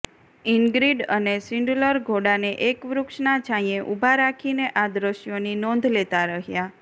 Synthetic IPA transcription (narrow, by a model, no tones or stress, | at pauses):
iŋɡɾiɖənesiɳɖləɾɡʱoɽaneʔekʋɾʊkʃnad͡ʒãĩjeʔubʱaɾakʰineʔad̪ɾəʃjoninɔ̃nd̪ʱlet̪aɾəɦja